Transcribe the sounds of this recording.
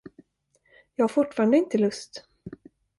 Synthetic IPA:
jɑːɡhaɡfʊʈːfɑːɾand̪əɪnt̪əlɵst̪

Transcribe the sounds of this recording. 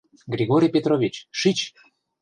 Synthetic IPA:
ɡɾʲiɣoɾʲijpʲet̪ɾovʲit͡ɕʃit͡ɕ

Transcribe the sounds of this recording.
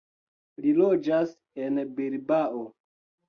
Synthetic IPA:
lilod͡ʒas | enbeɾbao

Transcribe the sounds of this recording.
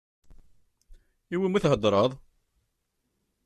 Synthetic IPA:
iwimiθɦəd̪ˤɾˤəðˤ

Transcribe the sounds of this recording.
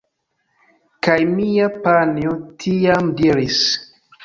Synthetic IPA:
kajmijapaniotʰijamdiɾis

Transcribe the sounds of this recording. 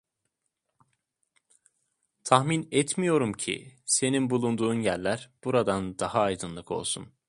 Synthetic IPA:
t̪ʰahminɛt̪mijo̞ɾumcʰḭse̞ninbulˠund̪uːnjæɾʲlʲæɾb̥uɾad̪and̪ahaːjd̪ɯnlˠɯkʰo̞̰lˠsun

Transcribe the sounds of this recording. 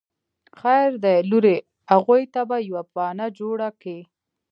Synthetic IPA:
xajɾd̪ajluɾe | haɣujt̪abajawapɑnad͡ʒoɽaki

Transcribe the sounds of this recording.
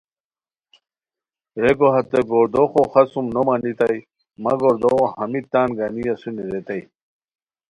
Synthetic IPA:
ɾekoɦɐt̪eɡoːɾd̪oxoxɐsumnomanit̪ɐj | mɐ̰ɡoɾd̪õhɐmit̪aːnɡanijasuniɾet̪aj

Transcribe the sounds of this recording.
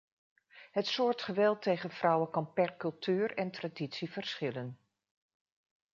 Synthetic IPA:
ɦətsʊːɹtχəʋɛlˠtejχənv̥rɔwəkɑnpɛɹkɵlˠtyːrɛntraːditsivəɹsχɪlən

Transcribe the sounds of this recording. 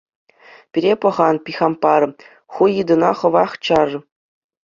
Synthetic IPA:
pʲiɾʲepɤ̆ʁɑnpʲixʲɑmpɑr | χujɯd̪ɤ̆nɑχɤ̆ʋɑχt͡ɕɑr

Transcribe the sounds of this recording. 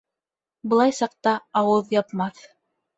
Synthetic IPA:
bɤ̆lˠɑjsɑq̚t̪ɑːwɤðjɑpmɑθ

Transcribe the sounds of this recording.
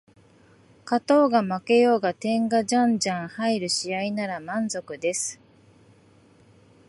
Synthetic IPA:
kat̪o̞ːɡamake̞jo̞ːɡat̪ẽ̞ŋɡaʑãɲd͡ʑãɰ̃haiɾɯ̟ɕiainaɾamãnzo̞kɯ̟d̪e̞sɨ̥

